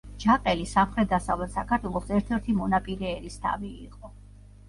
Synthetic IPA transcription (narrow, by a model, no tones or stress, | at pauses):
d͡ʒaqʼɛlisamχɾɛt̪̚d̪asavlɛt̪sakʰaɾt̪ʰwɛlˠɔsɛɾt̪ʰɛɾt̪ʰimɔnapʼiɾɛːɾist̪ʰa̰vḭːqʼɔ